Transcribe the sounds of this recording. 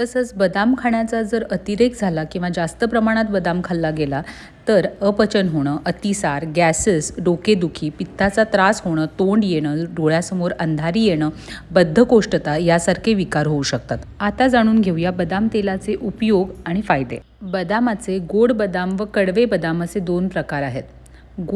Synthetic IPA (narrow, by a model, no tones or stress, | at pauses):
t̪əsət͡sbəd̪amkʰaɳjat͡sad͡zəɾət̪iɾekd͡zʱalakĩw̃ʋad͡zast̪əpɾəmaɽ̃at̪bəd̪amkʰalːaɡela | t̪əɾəpət͡ɕənɦoɽ̃əːʔət̪isaɾɡæsəsɖoked̪ukʰiːpit̪ːat͡sat̪ɾasɦoɽ̃əːt̪oɳɖjeɽ̃əɖʱoɭjasəmoɾənd̪ʱaɾiːjeɽ̃ə | bəd̪ʱːəkoʂʈət̪ajasaɾkʰeʋikaɾɦouɕək̚t̪at̪at̪ad͡zaɽ̃uːnɡʱewjabəd̪amt̪elat͡seʔupjoɡaɽ̃ifajd̪ḛ | bəd̪amat͡seɡoɽbəd̪amʋəkəɽʋebəd̪amat͡sed̪onpɾəkaɾaɦet̪ | ɡ